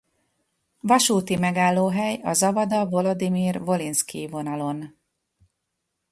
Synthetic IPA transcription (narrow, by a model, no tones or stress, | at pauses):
vɒʃuːt̪imɛɡaːlːoːɦɛjɒzɒvɒd̪ɒvo̞lo̞d̪imiːrvo̞linskḭvo̞nɒlo̞n